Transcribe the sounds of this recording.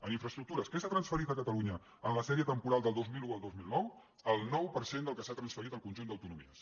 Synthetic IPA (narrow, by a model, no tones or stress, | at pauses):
əniɱfɾəst̪ɾuk̚t̪uɾəskɛsat̪ɾənsfəɾit̪əkət̪əluɲə | ənləsɛɾiət̪əmpuɾalˠd̪əlˠd̪ozmiluəlˠd̪ozmilˠnɔw | əlˠnɔwpəɾsend̪əlˠkəsat̪ɾənsfəɾit̪əlˠkunʒund̪əwt̪unumḭəs